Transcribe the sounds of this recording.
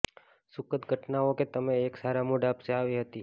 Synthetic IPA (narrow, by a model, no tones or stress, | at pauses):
sʊkət̪ɡʱəʈnaoket̪əmeːksaɾamoɖapseaʋiɦət̪i